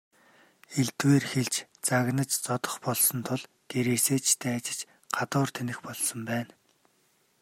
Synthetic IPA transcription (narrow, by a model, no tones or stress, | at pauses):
eɮt̪weːrxeɮt͡ɕt͡saɣnə̆t͡ɕt͡sɔt̪ɞ̆χpɔɮsɞ̆nt̪ʰʊɮ | ɡ̥eɾeːseːt͡ɕt̪ʰeːat͡ɕɪ̥̆t͡ɕ | ɢ̥at̪ʊːrt̪ʰenɘ̆xpɔɮsɞ̆mpæːn